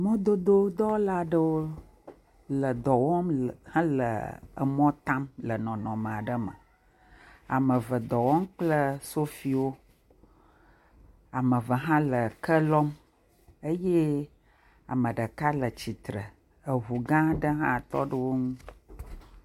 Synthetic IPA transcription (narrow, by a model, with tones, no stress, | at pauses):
mə̃˦d̪o˦d̪o˦d̪ɔ˦la˨ɖə˦wo˦ | lə˨d̪ɔ˨wɔ˦mhə̃˦lə̰˨ə̰˨mɔ̃˦t̪ã˦mlə˨nɔ̃˨nɔ̃˨mə̃˨a˨ɖə˦mə̰̃˨ | a̰˨mə˨və˨d̪ɔ˨wɔ˦mk͡plə˦so˦fi˨wo˦ | a˨mə˨və˨ɦã˦lə˨kə˦lɔ˦m | ə˦je˦ | a˨mə̃˨ɖə˨ka˦lə˨t͡ɕi˨t̪ɾə˨ | ə˨ɦu˨ɡã˦ɖə˦ɦã̰˦˨t̪ɔ˦ɖə˦wo˦ŋũ˦